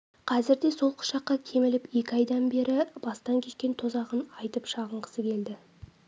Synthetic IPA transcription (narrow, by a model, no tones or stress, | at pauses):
qʰɑzɪɾd̪e̞so̞lˠqʰʊ̥ʃɑqːɑkʲʰe̞mɪlɪpe̞kʲɪɑjd̪ɑnbe̞ɾɪbɑst̪ɑŋkʲʰe̞ʃkʲe̞nt̪ʰo̞zɑʁənɑjt̪əpʃɑʁəɴqʰə̥səkʲʰe̞ld̪ɪ